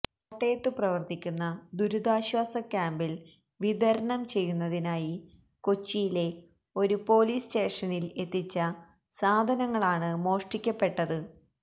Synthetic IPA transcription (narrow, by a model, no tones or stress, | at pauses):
ɐʈːejɐt̪ːɨprɐʋɐrt̪ʰikʲːunːɐd̪uɾud̪aːɕwaːsɐkʲːaːmbil | ʋid̪ʱɐɾɐɳɐmt͡ɕe̞jːunːɐðinaːji | ko̞t͡ɕːijile̞ | o̞ɾupo̞ːliːsʈe̞ːʂɐnile̞t̪ːit͡ɕːɐ | saːd̪ʱɐnɐŋːɐɭaːɳɨmo̞ːʂʈikʲːɐpːe̞ʈːɐðɨ